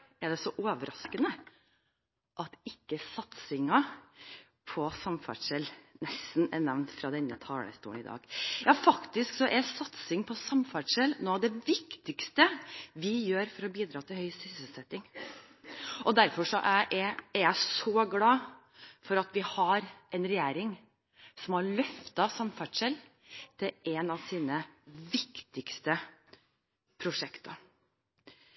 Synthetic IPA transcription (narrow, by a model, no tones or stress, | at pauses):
ɛɖ̪ɛsɔʔoːʋəɾɑskənə | ʔɑt̪ɪkːəsɑt̪sɪŋɑ | pʰɔsɑmfæ̰ɖʂɛlnɛst̪nɛ̰nɛʋnt̪fɾɑd̪ɛnːə̰t̪ʰɑːlə̰st̪ṵːənɪ̰d̪ɑ̰ːɡjɑːfɑkt̪ɪsksɔʔɛɾsɑt̪sɪŋpʰɔsɑmfæɖʂɛlnoːɑd̪ɛʋɪkt̪ɪkst̪əʋɪjøːɾfɔɾɔbiːd̪ɾɑːt̪ʰɪlhœʏsɪsəsɛt̪ːɪŋ | ʔɔd̪æɾfɔʂɔʔæɪʔɛɛɾjæɪsɔɡlɑː | fɔɾɑt̪ʋɪhɑɾʔɛnɾɛjæːɾɪŋ | sɔmhɑɾɭœft̪ɑsɑmfæɖʂɛl | t̪ʰɪʔɛnɑʋsiːnəʋɪkt̪ɪkst̪ə | pʰɾʊʂɛkt̪ə